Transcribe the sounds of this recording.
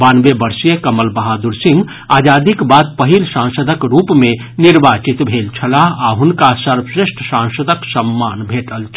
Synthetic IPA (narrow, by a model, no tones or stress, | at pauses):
banbebəɾsijəkəməlbəɦad̪uɾsĩŋɡ | ad͡ʒad̪ikbad̪̚pəɦilsãnsəd̪ʱəkɾupme | niɾbat͡ʃit̪bʱelt͡ʃʰəlaaɦunkasəɾbsɾeʂʈʰsãŋsəd̪ʱəksəmːanbʱeʈəlt͡ʃʰ